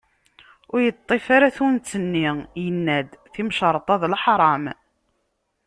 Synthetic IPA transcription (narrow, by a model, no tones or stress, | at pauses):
ʊɾjət̪ˤːefaɾaθunt͡sːənːijənːæd̪θimʃəɾˤt̪ˤɑðˤlħɾˤɑm